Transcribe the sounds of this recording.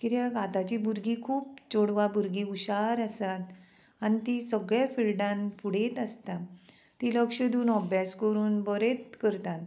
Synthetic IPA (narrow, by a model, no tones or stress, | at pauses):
kit̪jaɡat̪at͡ɕiːbʱuɾɡikʰuːpt͡ɕoɽʋabuɾɡiːuɕaɾəsat̪ | anit̪isəɡɭjafilɖãnpuɽ̤et̪əst̪a | t̪iləkʂəd̪uːnɔbjaskəɾuːnbəɾet̪kəɾt̪at̪